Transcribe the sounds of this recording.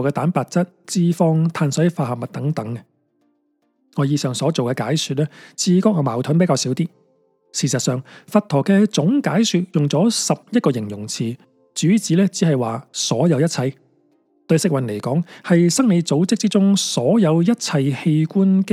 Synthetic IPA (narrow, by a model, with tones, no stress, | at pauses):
wkɛ˧t̪aː˨˥npaː˨t̚t͡sɐ˥t̚t͡siː˧fɔː˧ŋt̪ʰaː˧nsɐ˨˥faː˧hɐ˨p̚mɐ˨t̚t̪ɐ˨˥ŋt̪ɐ˨˥ŋɛ˧ | ŋɔː˨˧jiː˨˧sœː˨ŋsɔː˨˥t͡so˨wkɛː˧kaː˨˥jsyː˨t̚lɛː˥t͡sʰiː˨˧kɔː˥k̚ŋɔː˨˧˩maː˨˩wt̪ʰʊ˨˥npe˧˥kaː˧wsiː˨˥wt̪iː˥ | siː˨˩sɐ˨t̚sœː˨˩ŋfɐ˨˧t̚t̪ʰɔː˨˩kɛː˧t͡sʊ˨˥ŋkaː˨˥jsyː˧t̚jʊ˨ŋt͡sɔː˨˥sɐ˨p̚jɐ˥t̚kɔː˧jɪ˨˩ŋjʊ˨˩ŋt͡sʰiː˨˩ | t͡ʃyː˨˥t͡siː˨˥lɛː˥t͡siː˨˥hɐ˨jwaː˨sɔː˨˥jɐ˨˧wjɐ˥t̚t͡sʰɐ˧j | t̪ɵ˧ɥsɪ˨k̚wɐ˨nle˨˩jkɔː˨˥ŋhɐ˨jsɐ˥ŋme˨˧jt͡so˨˥wt͡sɪ˥k̚t͡si˥t͡sʊ˥ŋsɔː˨˥jɐ˨˧wjɐ˥t̚t͡sʰɐ˧jhe˧jkuː˥nk